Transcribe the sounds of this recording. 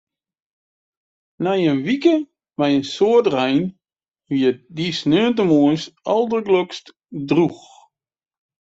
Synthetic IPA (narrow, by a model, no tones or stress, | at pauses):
najənʋikə | mɛjənsoətrɛjn | ʋiədisnøənt̬əmuənsɑlˠdəɡløkst | drux